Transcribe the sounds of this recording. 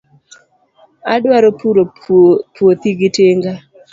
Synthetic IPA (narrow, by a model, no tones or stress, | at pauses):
adwaɾopuɾo | pwot̪iɡɪteŋɡa